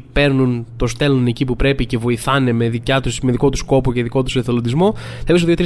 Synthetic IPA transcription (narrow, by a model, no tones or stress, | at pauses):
pe̞ɾnunt̪o̞st̪e̞lone̞cipupɾe̞pice̞vo̞iθɐne̞me̞ðicɐt̪usmeðiko̞t̪usko̞poceðiko̞t̪u̥seθelond̪izmo̞θeis̬oðiot̪ɾi